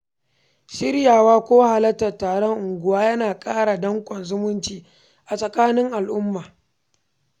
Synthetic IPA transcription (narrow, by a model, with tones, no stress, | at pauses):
ʃɪ˦ɾjaː˨waː˦kʷoː˦wha˨lɐ˦tːɐ˨tːaː˨ɽɔ˦ŋʔʊ˨ŋɡʷʊ˨waː˦jɐ˦naː˨kʼaː˦ɽa˨dɐ˦ŋkʷʼɔ˨nzʊ˦mʊ˦nt͡ʃiː˨ | ʔa˨sʼɐ˨kaː˦nɪ˦ŋʔa˨lʔʊ˦mːaː˨